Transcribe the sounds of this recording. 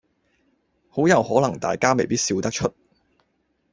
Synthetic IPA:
ho˨˥wjɐ˨whɔː˨˥lɐ˨˩ŋt̪a̰ː˨jkaː˥me˨jpiː˥t̚siː˧wt̪ɐ˥k̚t͡ʃʰɵ˥t̚

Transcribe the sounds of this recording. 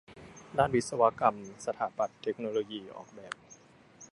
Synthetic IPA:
daː˥˩nwi˦˥t̪̚sa˧wa˦˥ka˧msa˧t̪ʰaː˩˦pa˨˩t̪ʰːe˦˥k̚noː˧loː˧jiː˧ʔɔ̰ː˨˩k̚bɛː˨˩p̚

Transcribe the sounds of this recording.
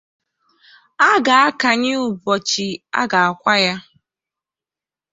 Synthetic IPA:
a˦ɡa˨a˦ka˨ɲɪ˦ʊ˨bɔ˨t͡ʃi˨a̰˦ɡa˨a˨kʷa˦ja˦

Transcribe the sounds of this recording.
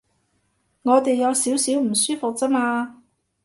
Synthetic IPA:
ŋɔː˨˧t̪e˨jːɐ˨˧wsiː˨˥wsiː˨˥wm̩˨˩syː˥fʊ˨k̚t͡sɐ˥maː˧

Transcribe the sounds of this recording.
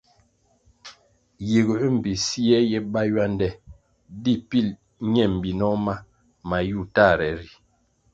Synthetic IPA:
ji˨ɡɾi˦m̩˨bi˨si˦ɛ˦jɛ˦ba˦jwa˦ndɛ˦ | di˦pi˦˨l | ɲɛ˦˨m˨bi˨nɔ˦ma˦ | ma˨ju˦˨ta˦˨ɾɛ˨ɾi˨

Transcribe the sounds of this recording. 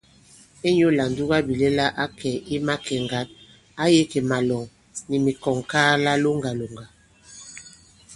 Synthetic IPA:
e˦ɲo˦la˨ndu˦ɣa˦bi˨le˦la˦ʔa˦kʰɛ˨i˦ma˦kʰɛ˨ŋɡa˨˦t̚ | a˦je˦ke˨ma˨lɔ˨ŋ | ni˨mi˨kɔ˨ŋkaː˦la˦lo˦ŋɡa˨lo˨ŋɡa˨

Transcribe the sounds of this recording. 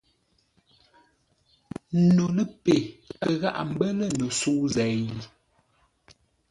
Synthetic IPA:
no˨lə˦pe˨kə˨ɣa̰˦˨ʔa˨m̩˦bə˦lə˦˨no˨su˦zɛ˨ji˨

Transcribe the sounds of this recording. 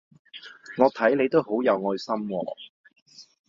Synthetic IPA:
ŋɔː˨˧t̪ʰɐ˨˥jnle˨˧jt̪o˥who˨˥wjɐ˨˧wŋɔː˧jsɐ˥mwɔ̰ː˧

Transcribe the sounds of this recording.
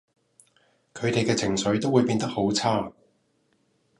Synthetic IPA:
kʰɵ˨˧ɥt̪e˨jkɛː˧t͡sʰɪ˨˩ŋsɵ˨˥ɥt̪o˥wuː˨˧jpiː˧nt̪ɐ˥k̚ho˨˥wt͡sʰaː˥

